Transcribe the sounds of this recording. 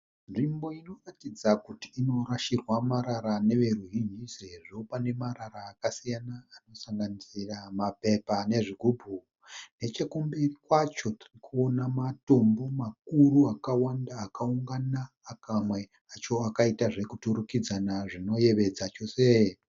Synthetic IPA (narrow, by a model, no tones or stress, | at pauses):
nʐimbo̞ino̞ratid͡zakuti̥ːno̞ɾaʃirwamaɾaɾane̞ʋe̞ruɦind͡ʒiseʐopane̞maɾaɾaːkasijanaːno̞saŋɡanisiramape̞pane̞ʐiɡʱubʱu | ne̞t͡ʃekumberikwat͡ʃo̞ti̥rikuo̞namato̞mbo̞mak̚uɾuakawandaːkauŋɡanaːkamwe̞ | at͡ʃoakaitaʐe̞kutuɾukid͡zanaʐino̞je̞ʋe̞d͡zat͡ʃo̞se